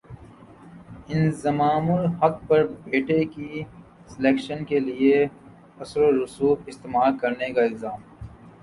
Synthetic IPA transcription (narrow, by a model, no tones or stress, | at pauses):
ɪnzɐmaːmʊlhɐk̚pɐɾbeːʈeki | sɪleːkʃənkelie | ɐsɾoɾʊsuːɪst̪eːmaːlkɐɾnekaɪlzaːm